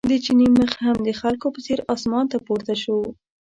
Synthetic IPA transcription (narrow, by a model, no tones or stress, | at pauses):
d̪ət͡ʃiniməxhamd̪əxalkopəseɾɑsmɑnt̪apoɾt̪aʃəw